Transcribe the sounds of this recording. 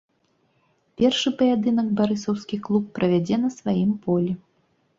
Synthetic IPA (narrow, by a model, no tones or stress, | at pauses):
pʲɛrʂɨpɐjad̪ɨnɐɡbaɾɨsɐwskʲixklˠupːɾɐvʲad͡zʲɛnɐsvajimpɔlʲi